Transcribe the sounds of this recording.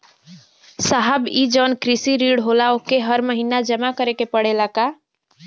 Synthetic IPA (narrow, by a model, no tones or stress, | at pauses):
saɦəbid͡ʒənkɾisiɾiɽɦolaokeɦəɾməɦinad͡ʒəmakəɾekepəɽelaka